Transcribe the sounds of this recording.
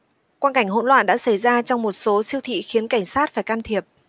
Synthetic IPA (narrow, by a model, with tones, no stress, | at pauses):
kwaː˧nka˧˩jŋ̟ɦo̰˧˥nlwa̰ː˧˨nɗa̰ː˧˥sa˧˩jzaː˧t͡ɕɔ˧wŋ͡mmo˨˩t̚so˨˦si˧əwt̪ʰḭ˧˨xi˨˦ənka˧˩jŋ̟saː˦˥t̚faː˧˩jkaː˧mt̪ʰi˨˩əp̚